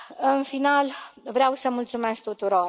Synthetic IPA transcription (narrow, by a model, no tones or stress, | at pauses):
ɨnfinalvɾeawsəmult̪sumesk̚t̪ut̪uɾo̞r